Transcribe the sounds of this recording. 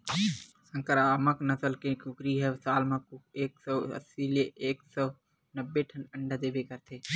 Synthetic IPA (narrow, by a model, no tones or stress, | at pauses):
sə̃ŋkəɾaːməknəsəlkekʊkɾiɦɛsaːlmãkeːksɔə̰sːileʔeːksɔ | nəbːeʈʰənəɳɖd̪eːbekəɾt̪ʰeː